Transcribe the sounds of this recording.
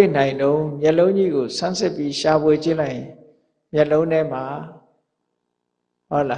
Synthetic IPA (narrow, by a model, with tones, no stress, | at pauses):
e˦˨nã˨ɪ̃ndõ˦ʊ̃mjɛ˦˨ʔlõ˦ʊ̃ɲḭ˦˨ɡo˨sã˦nsɪ˦˨pːji˦ʃa˨pwe˨t͡ɕe˦lã˨ɪ̃˨jɪ̃˨ | mjɛ˦ʔlõ˦ʊ̃nɛ˦m̥a˨ | hɔ˦˨ʔla˨